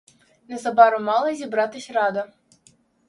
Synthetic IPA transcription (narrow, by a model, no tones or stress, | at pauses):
nɐzɐbaɾʊmalˠɐzʲibɾat̪ɨsʲrad̪ɐ